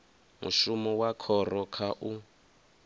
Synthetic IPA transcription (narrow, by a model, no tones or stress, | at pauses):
mṵʃumɔwakʰɔrɔkʰaʔu